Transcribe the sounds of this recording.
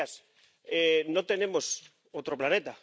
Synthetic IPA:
as | enõt̪enemos | owt̪ɾoplanet̪a

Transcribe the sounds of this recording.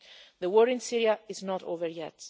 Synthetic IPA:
ðəwɔɹɪ̃nsɪɹiaɪznɔɾo̰vəɹjɛt

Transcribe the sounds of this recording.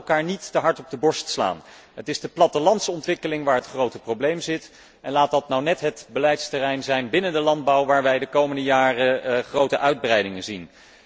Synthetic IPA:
lˠkaːɹnitːəɦɑɹtɔb̚dəbɔɹstsla̰ːnɦətɪzdəplɑtəlɑntsɔntʋɪkəlɪŋʋaːɹɦətχrowtəprowblejmzɪt | ʔɛnlaːt̚dɑtnawnɛtɦətbəlɛjtstərɛjnzɛjnbɪnəndəlɑnd̚bɑwʋaːɹʋɛjdəkowməndəjaːrəχrowtəʔœɥd̚brɛjdɪŋənzin

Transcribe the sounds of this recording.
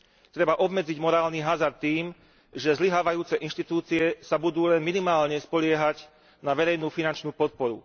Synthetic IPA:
t̪ɾɛbaʔɔbmɛd͡ziɟmɔɾaːlniɦazaɾt̪t̪ːiːm | ʒɛzliɦaːʋajuːt͡sɛʔinʃt̪it̪uːt͡siɛsabud̪uːlɛnminimaːlɲɛspɔʎɪɛɦaɟ | naʋɛɾɛjnuːfinant͡ʃnuːpɔt̪̚pɔɾṵ

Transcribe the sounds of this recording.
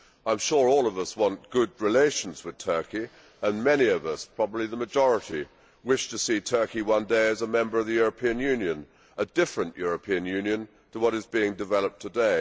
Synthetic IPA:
ãɪ̃mʃʊɹɔlˠʌvʌswɑ̃nɡ̥ʊd̚ɹileɪʃn̩zwɨð̥tʰɜ˞ki | ə̃nmɛniʌvʌspʰɹ̥ɑbəbliðəmɨd͡ʒɔɹəɾi | wɪʃtɨsitʰɜ˞kiwʌ̃ndeɪɨzəmɛ̃mbə˞ʌvðɨjʊɹəpʰĩɨ̃njʉ̃njɨ̃n | ədɪfɹɨ̃nʔjʔʊɹɨpʰĩɨ̃njʉ̃njɨ̃n | tʰəwʌɾɨzbiɪ̃ŋdɨvɛlˠəp̚tʰədeɪ

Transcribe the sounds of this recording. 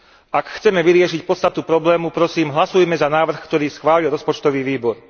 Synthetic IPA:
akxt͡sɛmɛʋiɾɪɛʃicpɔt̪st̪at̪upɾɔblɛːmupɾɔsiːmɦlasujmɛzanaːʋr̩xkt̪ɔɾiːsxʋaːlilɾɔspɔt͡ʃt̪ɔʋiːʋiːbɔɾ

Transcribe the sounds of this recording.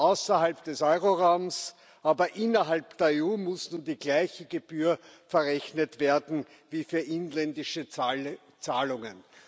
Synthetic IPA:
ʔaʊsɐhalpd̥ɛsɔʏʁoʁaʊms | ʔaːbɐʔɪnɐɦalpd̥eːɐeuːmʊsnuːndiːɡlæɪçəɡeb̥yːɐ | fɛɐʁɛçnətveːɐdn̩ | viːfyːɐʔɪnlɛndɪʃə | t͡saːlʊŋə̰n

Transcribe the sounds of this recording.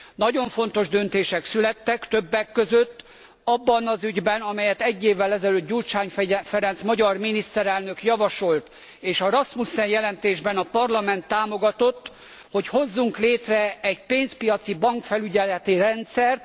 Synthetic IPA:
nɒɟo̞ɱfo̞n̪t̪o̞ʒd̪ø̞nt̪eːʃɛksylɛt̪ːɛkt̪øbːɛkːøzøt̪ː | ɒbːɒnɒzyɟbɛnɒmɛjɛt̪ɛɟːeːvːɛlɛzɛløːt̪ɟult͡ʃaːɲfɛɾɛnt̪smɒɟɒrminist̪ɛɾɛlnø̞kjɒvɒʃo̞lt̪ | eːʃɒɾɒsmusɛjjɛlɛnt̪eːʒbɛnɒpɒrlɒmɛn̪t̪ːaːmo̞ɡɒt̪o̞t̪ː | ho̞cho̞zːuŋkleːt̪rɛɛɟpeːnspijɒt̪sibɒŋkfɛlyɟɛlɛt̪irɛnt̪sɛrt̪

